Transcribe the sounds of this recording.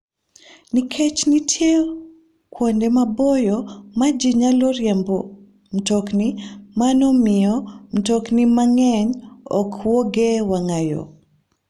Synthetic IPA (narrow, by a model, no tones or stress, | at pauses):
nikʰɛt͡ʃnitʰje | kwɔndɛmabɔjɔmad͡ʒiɲalɔɾjɛmbɔ | m̩tɔknimanɔmɪɔm̩tɔknimaŋɛɲɔkwɔɡɛwaŋajo̰